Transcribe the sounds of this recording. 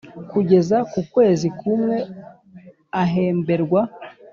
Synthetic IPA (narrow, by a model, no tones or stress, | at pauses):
kuɟe̞zakukwe̞ːzikumŋe̞ | aɦe̞ːmbe̞ɾɡwa